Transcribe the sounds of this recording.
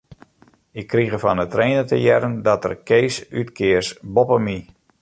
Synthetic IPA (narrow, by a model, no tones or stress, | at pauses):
ɪkːriɣəfɔnətreːnətə̰jɛɾəndɔtə̰rkeːsytkʰɪəsbopəmi